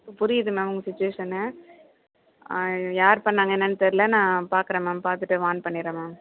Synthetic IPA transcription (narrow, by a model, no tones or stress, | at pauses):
pʊɾɪjɐðɯmɐʋʊŋɡɐsɪt͡ʃːʊʋeːʂɐnɛ | jaːɾpɐɳːaːŋɡɐɛnːɐnt̪ːɐɾlɐnãːpaːɾkɯɾɐmaːpaːɾt̪ɯʈːɯʋaːnpɐɳːɪɾɐmaː